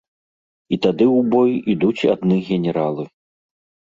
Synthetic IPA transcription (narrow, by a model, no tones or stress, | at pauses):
it̪ad̪ɨwbɔjid̪ut͡sʲa̰d̪nɨɣʲɛnʲɛɾalˠɨ